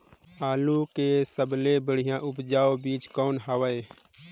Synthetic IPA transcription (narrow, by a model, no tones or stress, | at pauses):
aːlukesəblebəɽ̤ɪjãʔʊpd͡ʒaːobiːt͡ʃkɔːnɦaʋəe